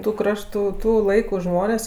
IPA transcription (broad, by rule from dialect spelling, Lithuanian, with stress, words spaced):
tʊ ˈkrɑːʃtʊ ˈtuː ˈlˠɐɪkʊ ˈʒmoːnʲeːsʲ